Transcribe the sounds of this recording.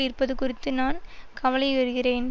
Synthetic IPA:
ɪrpɐðɯkʊrɪt̪ːɯnaːnkɐʋɐlɐɪʋɐɾɯɣɪreːn

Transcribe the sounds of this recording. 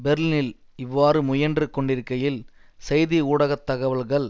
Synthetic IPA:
bɛɾlnɪl | ɪʋːaːɾɯmʊjɐndrɯkɔɳɖɪɾɯkːɐjɪlsɐjðiuːɽɐɣɐt̪ːɐɣɐʋɐɭɣɐɭ

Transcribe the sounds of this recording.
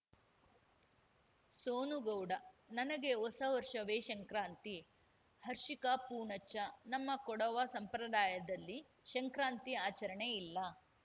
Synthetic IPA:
soːnuɡɐwɖɐnɐnɐɡeɔsɐʋɐɾʂɐʋeːʃɐŋkɾaːnt̪i | hɐɾʂikɐpuːɳɐt͡ʃːɐnɐmːɐkɔɽɐʋɐsɐmpɾɐd̪aːjɐd̪ɐlːi | ʃɐŋkɾaːnt̪iaːt͡ʃɐɾɐɳeilːɐ

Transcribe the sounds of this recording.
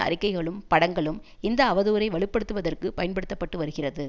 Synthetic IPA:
ɐ̰ɾɪkːɐɪɣɐɭɯmpɐɽɐŋɡɐɭɯm | ɪnd̪ɐːʋɐðuːɾɐɪʋɐɭɪpːɐɽɯt̪ːɯʋɐðɐrkɯpɐjɐnpɐɽɯt̪ːɐpːɐʈːɯʋɐɾɯɣɪrɐðɯ

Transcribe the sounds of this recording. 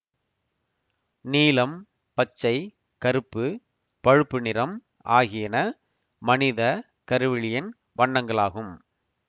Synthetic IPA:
niːlɐm | pɐt͡ʃːɐɪ | kɐɾɯpːɯ | pɐɻɯpːɯnɪɾɐm | ʔa̰ːɣɪjɐnɐ | mɐnɪðɐ | kɐɾɯʋɪɭɪjɐn | ʋɐɳːɐŋɡɐɭaːɣɯm

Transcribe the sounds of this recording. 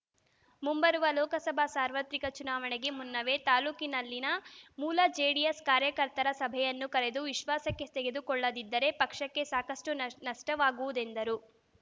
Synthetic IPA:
mumbɐɾuʋɐlɔːkɐsɐbʱɐsaːɾʋɐt̪ɾikɐt͡ʃunaːʋɐɳeɡe̞munːɐʋe̞t̪aːluːkinɐlːinɐmuːlɐd͡ʒeːɖijeskaːɾjɐkɐɾt̪ɐɾɐsɐbʱɛjɐnːukɐɾe̞d̪uʋiʃʋaːsɐkːe̞t̪eɡed̪ukɔɭːɐd̪id̪ːɐɾe̞pɐkʂɐkːe̞saːkɐsʈunɐʂʈɐʋaːɡuʋud̪e̞nd̪ɐɾu

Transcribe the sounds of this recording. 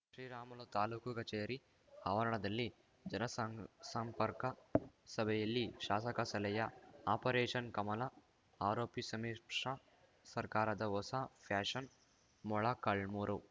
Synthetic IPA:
ʃɾiːɾaːmɐlot̪aːlukukɐt͡ʃeːɾi | hɐʋɐɾɐɳɐd̪ɐlːi | d͡ʒɐnɐssɐmpɐɾkɐsɐbʱɛjɐlːiʃaːsɐkɐsɐlɐjɐaːpɐɾeːʂɐnkɐmɐlɐ | aːɾoːpisɐmiːʈʂɐ | sɐɾkaːɾɐd̪ɐʋɔsapʰaːʂɐn | mɔɭakɐɭmuːɾɐw

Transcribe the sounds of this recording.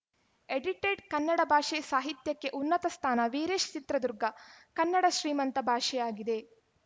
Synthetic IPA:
eɖiʈeːɖkɐnːɐɽɐbʱaːʂeːsaːɦit̪jɐkːe̞ʔunːɐt̪ɐst̪ʰaːnɐʋeːɾeːʃt͡ʃit̪ɾɐd̪uɾɡɐkɐnːɐɽɐʃɾiːmɐnt̪ɐbʱaːʂɛjaːɡid̪e̞

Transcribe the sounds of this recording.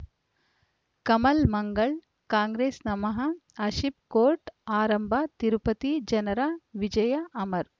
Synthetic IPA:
kɐmɐlmɐŋɡɐɭ | kaːŋɡɾeːsnɐmɐɦɐɐʃip̚koːɾʈaːɾɐmbʱɐt̪iɾupɐt̪id͡ʒɐnɐɾaʋid͡ʒɐjɐʔɐmɐɾ

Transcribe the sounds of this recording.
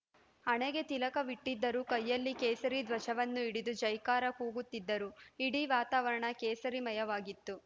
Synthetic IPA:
ɐɳeɡe̞t̪ilɐkɐʋiʈːid̪ːɐɾukɐjːɐlːikeːsɐɾid̪ʋɐʃɐʋɐnːuiɽid̪ud͡ʒɐjkaːɾɐkuːɡut̪ːid̪ːɐɾuiɽiʋaːt̪aːʋɐɾɐɳɐkeːsɐɾimɐjɐʋaːɡit̪ːu

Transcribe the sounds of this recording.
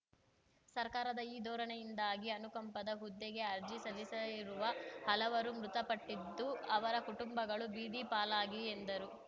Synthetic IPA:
sɐɾkaːɾɐd̪ɐiːd̪ʱɔːɾɐɳɛjind̪aːɡiɐnukɐmpɐd̪ɐɦud̪ːeɡe̞ɐɾd͡ʒisɐlisɐiɾuʋɐhɐlɐʋɐɾumɾut̪ɐpɐʈːid̪ːuɐʋɐɾɐkuʈumbɐɡɐɭubiːd̪ipaːlaːɡiend̪ɐɾu

